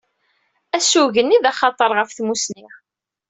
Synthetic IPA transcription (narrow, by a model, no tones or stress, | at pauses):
æsuʝənːiðæχɑt̪ˤəɾˤʁəfθmusniʁ